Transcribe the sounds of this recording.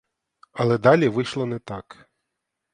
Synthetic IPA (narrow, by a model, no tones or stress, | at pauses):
ɐlˠɛd̪ɑlʲiʋɪjʃlˠɔnɛt̪ɑk